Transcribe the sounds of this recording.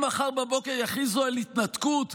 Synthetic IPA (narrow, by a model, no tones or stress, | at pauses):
maχaʁbabo̞keʁjaχizoelit̪nat̪kut̪